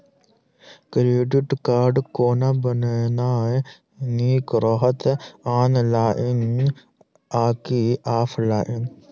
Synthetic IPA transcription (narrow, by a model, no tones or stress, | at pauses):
kɾeːɖiʈkaːɾɖkoːnabɐnenaːj | niːkɾɔɦɐt̪aːnlaːʔin | aːkiʔaːflaːʔin